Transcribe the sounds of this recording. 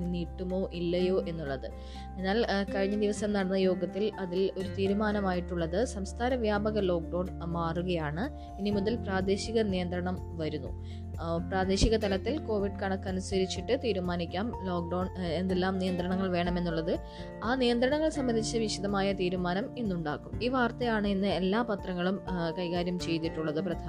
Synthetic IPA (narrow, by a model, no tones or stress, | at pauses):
niːʈːumo̞ːʔilːɐjo̞ːʔe̞nːuɭːɐðɨ | e̞nːaːlkɐɻiɲːɐd̪iʋɐsɐmnɐɽɐnːɐjo̞ːɡɐt̪ːilɐðilo̞ɾut̪iːɾumaːnɐmaːjiʈːuɭːɐðɨsɐmst̪ʰaːɾɐʋjaːbɐɣɐlo̞ːk̚ɖɐwɳmaːruɣɐjaːɳɨ | inimuðɐlpraːd̪e̞ːɕiɣɐnijɐnd̪ɾɐɳɐm | ʋɐɾunːṵ | praːd̪e̞ːɕiɣɐt̪ɐlɐt̪ːilko̞ːʋiɖkɐɳɐkːɐnusɐɾit͡ɕːiʈːɨt̪iːɾumaːnikʲːaːmlo̞ːk̚ɖɐːɳe̞nd̪e̞lːaːmnijɐnd̪ɾɐɳɐŋːɐɭʋe̞ːɳɐme̞nːuɭːɐðɨ | aːnijɐnd̪ɾɐɳɐŋːɐɭsɐmbɐnd̪ʱit͡ɕːɨʋiʂiðɐmaːjɐt̪iːɾumaːnɐminːuɳɖa̰ːɣumiːʋaːrt̪ɐjaːɳɨinːɨe̞lːaːpɐt̪rɐŋːɐɭumkɐjkaːɾjɐmt͡ɕe̞jt̪ːiʈːuɭːɐðɨprɐd̪ʰʱa